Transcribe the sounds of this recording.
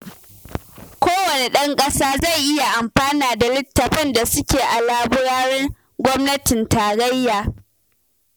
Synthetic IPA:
kʷoː˦wɐ˨ne˨ɗɐ˦ŋkʼɐ˦saː˦za˦˨jʔɪ˦ja˨ʔa˨mɸaː˦naː˨da˨lɪ˦tːɐ˨ɸɛ˦nda˨sʊ˦kʲeː˨ʔa˨laː˦bʊ˦ɾaː˦ɾɛ˦ŋ | ɡʷɔ˦mnɐ˦tɪ˨ntaː˨ɽɐ˦jːaː˨

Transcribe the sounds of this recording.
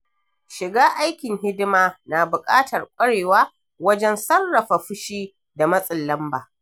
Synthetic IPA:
ʃɪ˨ɡaː˦ʔa˦jkʲɪ˨ŋɦɪ˦dɪ˦maː˦naː˨bʊ˨kʼa̰ː˦tɐ˨rkʷʼɐ˦ɽeː˨waː˦ | wɐ˦d͡ʒɛ˦nsɐ˦rːɐ˨ɸa˨ɸʊ˦ʃiː˦ | da˨mɐ˦sʼɪ˨lːɐ˦mbaː˨

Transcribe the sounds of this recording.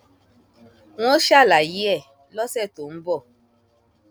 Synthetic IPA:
w̃ɔ̃˦ʃa˦˨la˨ji˦ɛ˦˨ | lɔ˦sɛ˦˨to˨m̩˦bɔ˦˨

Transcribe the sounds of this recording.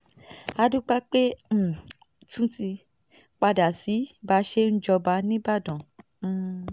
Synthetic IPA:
a˧dũ˦k͡pa˦k͡pe˦˨ | tũ˦ti˧ | k͡pa˧da˨si˨˦ba˨˦ʃe˦n̩˦d͡ʒɔ˧ba˧˦nĩ˦ba˦˨dɔ̃˨˦

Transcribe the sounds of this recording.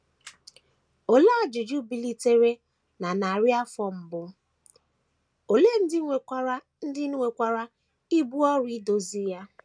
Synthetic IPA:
o˨la˦˨d͡ʒʊ˨d͡ʒu˦bi˨li˦te˦ɾe˦ | na˨na˨ɾja˦fɔ˦m̩˨bʊ˦ | o˨le˦n̩˦dɪ˦˨˦ɾa˦ | n̩˦dɪ˦n˦ŋʷe˨kʷa˨ɾa˦ | i˦bu˦ɔ˦ɾi˦do˨zi˦ja˦

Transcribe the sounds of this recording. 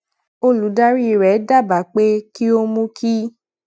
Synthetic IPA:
o˦lu˨˦da˦ɾi˦i˨ɾɛ˨˦da˦˨ba˨˦k͡pe˦ki˦o˦mũ˦kʰi˦

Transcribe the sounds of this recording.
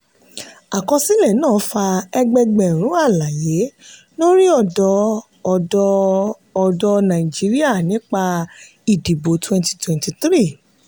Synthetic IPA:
a˨kɔ̃˧si˦lɛ˦˨nãː˦˨˦fa˧ɛ˧ɡ͡bɛ˧ɡ͡bɛ̃˨ɾ̃ũ˨˦a˦˨la˨je˨˦ | no˦ɾi˦ɔ˦˨dɔ˧ | ɔ˨dɔ˧ | ɔ˨dɔ˧nã˨i˨d͡ʒi˨˦ɾi˦a˦˨nĩ˨˦k͡pa˧ | i˨di˨bo˨˦twɛ̃˧nti̥˧twɛ̃˨nti˨t̪ɾi˦˨

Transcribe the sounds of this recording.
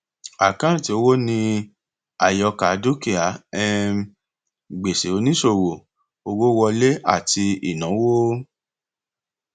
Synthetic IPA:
a˨kã˦˨ti˨˧o˧wo˦nĩ˧ | a˨jɔ˧ka˨˦do˦ki˦˨a˨˦ɛ˦˧ | ɡ͡be˨se˨o˧nĩ˦ʃo˦˨ɾo˨ | o˧wo˦wɔ˧le˦a̰˦˨ti˧ḭ˨nã˨˦wo˦

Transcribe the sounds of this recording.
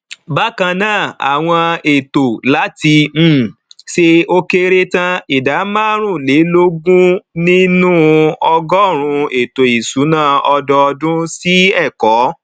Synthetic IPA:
ba˦kã˧nãː˦˨a̰˨w̃ɔ̃˧e˨to˨la˨˦tĩ˧˦˨ʃe˧o˧ke˧ɾe˧tã˧i˨da˨˦mã˦ɾ̃ũ˦˨le˨˦lo˦ɡũ˦nĩ˦nũ˦ɔ˧ɡɔ˦˨ɾ̃ũ˧e˨to˨i˨su˨˦nãː˦˨ɔ˧dɔ˧ɔ˧dũ˦si˦ɛ˦˨kɔ˨˦

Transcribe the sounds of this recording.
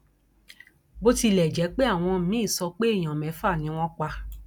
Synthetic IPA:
bo˦ti˧˨lɛ˨d͡ʒɛ˨˦k͡pe˦a˦˨w̃ɔ̃˧˦mĩ˦i˦˨sɔ˧k͡pe˦i˦˨j̃ã˨mɛ̃˨˦fa˦˨nĩ˨˦w̃ɔ̃˦k͡pa˧

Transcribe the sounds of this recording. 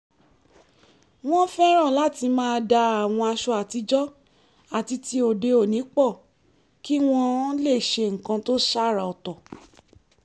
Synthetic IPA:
w̃ɔ̃˦fɛ˦ɾ̃ã˦˨la˦ti˧mãː˦˧da˧a˨w̃ɔ̃˧a˧ʃɔ˧a˨ti˧d͡ʒɔ˦ | a˨ti˧ti˧o˨de˧o˨nĩ˨˦k͡pɔ˦˨ | ki˦w̃ɔ̃˦le˦˨ʃe˧ŋ̩˨kã˧to˦ʃa˦˨ɾa˨ɔ˨tɔ˨

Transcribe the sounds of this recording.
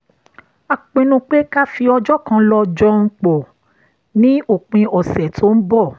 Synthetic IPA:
a˨k͡pĩ˧nũ˧k͡pe˦ka˦fi˧ɔ˧d͡ʒɔ˦˨kã˧˦lɔ˧˦d͡ʒɔ˦ŋ̩˧k͡pɔ˨ | nĩ˦o˦˨k͡pĩ˧ɔ˨sɛ˨tʰo˨˦n̩˦bɔ˦˨

